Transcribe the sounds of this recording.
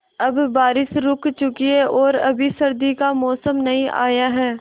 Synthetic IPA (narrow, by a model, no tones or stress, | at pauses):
ɐbːaːɾɪsɾʊkt͡ʃʊkieʔɔːɾɐbʱisɐɾd̪ikamɔːsəmnɐɦĩʔa̰ːjaɦɛː